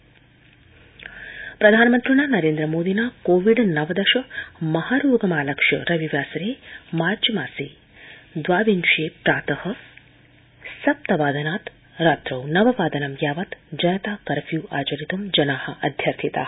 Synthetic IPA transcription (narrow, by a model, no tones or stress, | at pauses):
pɾɐd̪ʱaːnɐmɐnt̪ɾinaːnɐɾeːnd̪ɾɐmoːd̪inaːkoːʋiɖnɐʋɐd̪ɐʃɐmɐhaːɾuːɡɐmaːlɐkʂɐɾɐʋiʋjaːsɐɾeːmaːd͡ʒɐmaːsi | d̪ʋaːʋinʃeːpɾaːt̪ɐhɐ̆ | sɐp̚t̪ɐʋaːd̪ɐnaːt̪ | ɾaːt̪ɾɐwnɐʋɐʋaːd̪ɐnɐmjaːʋɐt̪d͡ʒɐnɐt̪aːkɐɾɐfʰjuːaːt͡ʃɐɾit̪umd͡ʒɐnaːhɐ̆ʔɐd̪ʱjɐɾt̪ʰit̪a̰ː